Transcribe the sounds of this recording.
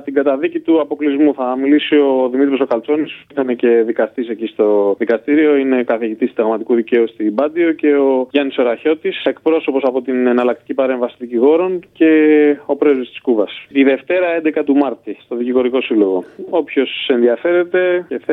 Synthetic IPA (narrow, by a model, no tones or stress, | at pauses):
t̪iŋɡɐt̪ɐðicit̪uɐpo̞klizmuθɐmilisio̞ðimit̪ɾosokɐlt͡so̞nisuit̪ɐne̞ce̞ðikɐst̪isecist̪o̞ðikɐst̪iɾio̞ine̞kɐθiʝit̪ist̪t̪d̪ɐɣmɐt̪ikuðice̞ust̪ibɐd̪io̞ce̞o̞ʝɐniso̞ɾɐço̞t̪isek̚pɾo̞so̞po̞sɐpo̞t̪inenɐlɐkt̪i̥cipɐɾe̞ɱvɐsit̪ðiciɣo̞ɾo̞nce̞o̞pɾezist̪i̥skuvɐsiðe̞ft̪e̞ɾɐe̞nd̪e̞kɐt̪umɐɾt̪ist̪o̞ðiciɣo̞ɾiko̞silo̞ɣo̞o̞pço̞se̞nðiɐfe̞ɾe̞t̪e̞ceθ